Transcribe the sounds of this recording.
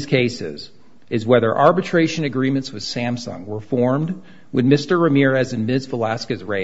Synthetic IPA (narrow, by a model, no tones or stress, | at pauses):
z̥kʰeɪsɪ̰z | ɨzwɛðə̰˞ʔɑɹbɨtʰɹ̥eɪʃɨ̃nɨɡɹĩmɨ̃ntswɨð̥sæ̃msɑ̰̃ŋwə˞fɔɹmd | wɨðmɪstə˞ɹɨmɪɹɨzɨ̃nmɪdzvəlæskɨzɹeɪ